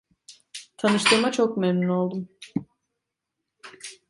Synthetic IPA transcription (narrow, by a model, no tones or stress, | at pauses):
t̪ʰanɯʃt̪ʰɯmat͡ʃʰokmemnuno̞lˠd̪um